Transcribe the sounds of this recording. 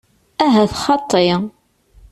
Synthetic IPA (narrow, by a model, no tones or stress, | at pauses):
æɦæθχɑt̪ˤːe